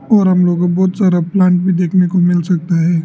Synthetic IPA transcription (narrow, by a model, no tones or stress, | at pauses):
ɔːɾɦɐmloːɡobɔːt̪saːɾaplãːɳʈ̚bʱid̪eːkʰnekomɪlsɐk̚t̪aɦɛː